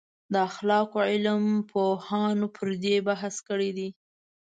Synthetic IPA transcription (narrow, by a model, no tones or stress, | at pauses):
d̪əaxlɑkoʕɪlmpʰohɑnopʰəɾd̪ebaɦaskəɽid̪i